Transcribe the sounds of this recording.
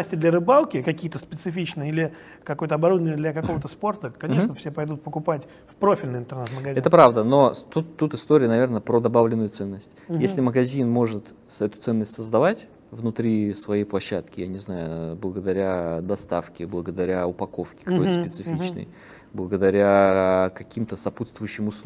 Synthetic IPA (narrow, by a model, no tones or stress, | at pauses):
asʲtʲɪd̪lʲəɾɨbalˠkʲɪkɐkʲijət̪əspʲɪt̪sɨfʲit͡ɕnɨjilʲɪ | kɐko̞jət̪əɐbɐɾud̪əvʲnʲɪəd̪lʲɐkɐkovət̪əspo̞rt̪əkɐnʲeʂnəfsʲepɐjd̪ut̪̚pəkʊpatʲ | fpɾo̞fʲɪlʲnɨjɪnt̪ərnɛt̪məɡɐzʲɛt̪əpɾavd̪əno̞t̪ut̪ːut̪ɨst̪o̞ɾʲɪjənɐvʲernəpɾod̪ɐbavlʲɪnːʊjʊt̪sɛnːəsʲtʲjesʲlʲɪməɡɐzʲinmo̞ʐɨt̪ | ɛt̪ʊt̪sɛnːəsʲtʲsəzd̪ɐvatʲ | vnʊt̪ɾʲisvɐjejplˠɐɕːat̪kʲɪjanʲɪznajʊblˠəɡəd̪ɐɾʲad̪ɐst̪afkʲɪblˠəɡəd̪ɐɾʲaʊpɐko̞fkʲɪ̥kɐkot̪sppɪt̪sɨffʲit͡ɕnə̰j | blˠəɡəd̪ɐɾʲakɐkʲimt̪əsɐput̪st̪vʊjʉɕːɪmʊs